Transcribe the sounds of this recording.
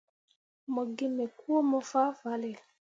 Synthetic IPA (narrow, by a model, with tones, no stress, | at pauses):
mo˨ɡe˦mɛ˨ku˦o˦mɔ˨fa˦va˨le˨